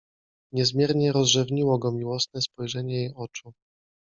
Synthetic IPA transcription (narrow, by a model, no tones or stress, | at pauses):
ɲɛzmʲjɛɾɲɛɾɔzʐɛvɲiwɔɡɔmʲiwɔsnɛspɔjʐɛɲɛjejɔt͡ʂu